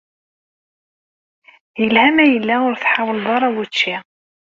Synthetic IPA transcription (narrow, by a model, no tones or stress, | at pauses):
jəlhæmæjəlːæʊɾθħawəlðˤɑɾˤɑwut͡ʃːi